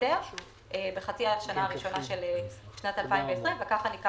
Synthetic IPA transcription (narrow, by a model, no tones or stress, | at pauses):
eʁ | ʔebeχat͡siaʃanaaʁiʃo̞naʃeleʃnat̪alpaĩmveːsʁimvekaχanika